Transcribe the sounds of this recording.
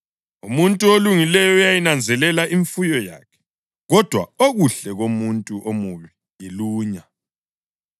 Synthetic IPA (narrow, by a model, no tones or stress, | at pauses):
umuntʼuoluŋilɛjɔjajinand͡zʱɛlɛlaʔiɱfujɔja̰ːkʰɛ̥ | ɣɔd̥ʱwa̰oɣuɬɛɣomuntʼuʔomuβi | jiluːɲa